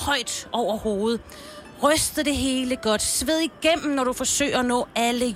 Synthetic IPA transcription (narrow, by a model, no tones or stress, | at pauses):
hɒ̽ɪ̰d̥ʔɒʊ̰ɐho̝ːð̞̩ˠ | ʁœsd̥ð̩ˠd̥e̝ɦe̝ːləɡ̥ɒ̽d̥sʋeð̰ˠiɡ̥em̰m̩nɒɾ̥ufɒ̽sø̰ɪ̰ɐænɔ̰̽ːælə